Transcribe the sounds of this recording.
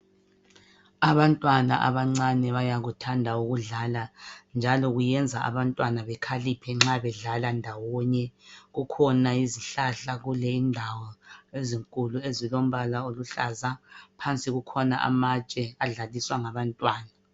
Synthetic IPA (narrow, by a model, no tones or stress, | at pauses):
aβantʼwana̰ʔa̰βaŋ͡ǀanɛβajaɣutʰandʱauɣuɮaland͡ʒʱalɔɣujɛnd͡zʱaʔa̰βantʼwanaβɛkʰalipʰɛŋ͡ǁaβɛɮalandʱawɔɲɛɣukʰɔnaiziɬaɬaɣulɛindʱawɔeziŋkʼuluezilom̩βalaoluɬa̰zapʰant͡sʼiɣukʰɔna̰ʔa̰mat͡ʃʼɛaɮaliswaŋaβantʼwaːna